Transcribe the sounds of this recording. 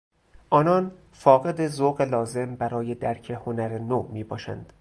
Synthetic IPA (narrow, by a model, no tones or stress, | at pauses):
ʔɒːnɒːn | fɒːɣe̞d̪ezoɣelɒːze̞mbæɾɒːje̞d̪æɾcʰehonæɾenomiːbɒ̰ːʃæ̰nd̪̥